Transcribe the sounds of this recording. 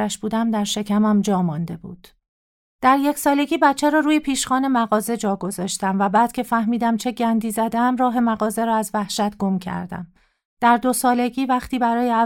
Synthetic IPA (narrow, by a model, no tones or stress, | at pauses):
æʃb̥uːd̪æmd̪æɾʃe̞cʰæmæmd͡ʒɒːmɒnd̪e̞bṵːd̪̥ | d̪̥æɾje̞cʰsɒːle̞ɡiːbæt̪t͡ʃʰːæɾɒːɾuːje̞pʰiːʃxɒːne̞mæɣɒːze̞d͡ʒɒːɡo̞zɒːʃt̪æmvæbæːd̪̥cʰe̞fæhmiːd̪æmt͡ʃʰe̞ɟænd̪iːzæd̪eæmrɒːɦe̞mæɣɒːze̞ɾɒːæzvæhʃæt̪ɡo̞mcʰæ̰ɾd̪æ̰m | d̪̥æɾd̪o̞sɒːle̞ɡiːvæχt̪ʰiːbæɾɒːjeæ